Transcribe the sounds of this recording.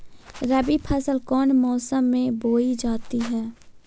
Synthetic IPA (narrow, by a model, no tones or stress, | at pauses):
ɾəbipʰəsəlkɔːnmɔːsəmːẽboːid͡ʒaːt̪iɦɛː